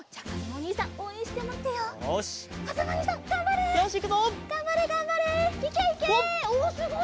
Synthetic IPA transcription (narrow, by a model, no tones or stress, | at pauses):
t͡ɕakazamoɲʲiːsãŋʔoĩɕi̥t̪emat̪ejooɕkazamoɲisãŋɡãmbaɾɯaɕikʲet̪oɡ̥ãmbaɾeɡãmbaɾeikʲeikeosiɦo